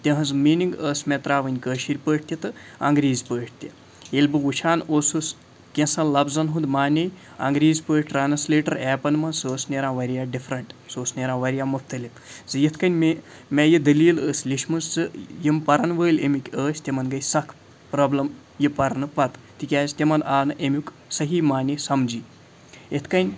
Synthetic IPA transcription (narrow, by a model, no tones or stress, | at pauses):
t̪ʲẽɦɐzmiːniŋɡəːsmet̪ɾaːʋɐnʲkəːʃiɾʲpəːʈ̚ʰʲt̪ʲit̪ɨɐ̰ŋɡɾiːzʲpəːʈ̚ʰt̪ʲe | elʲbɨuʃʰaːnoːsus | kʲẽsɐnlɐbzɐnɦũnd̪maːnʲej | ɐ̰ŋɡɾiːzʲpəːʈʰʲʈɾaːnɐsleːʈɐɾɛːpɐnmɐsoːsnʲeɾãːʋɐɾʲjaːɖifʰɾɐɳʈsoːsnʲeːɾãːʋɐɾʲijaːmuft̪ɐlifzɨjet̪ʰkɐnʲme | mʲeːjid̪ɐliːləːslʲiʃmɐnzt͡sɨjimpɐɾɐnʋəːlʲḛmikʲəːsʲt̪ʲemɐnɡɐjsɐkʰ | pɾɐːblɐm | jipɐɾnɨpɐt̪ | t̪ikʲaːzʲt̪ʲemɐnaːnɨʔemʲuk | sɐɦiːmaːnʲiesɐmd͡ʒiː | jet̪ʰkɐnʲ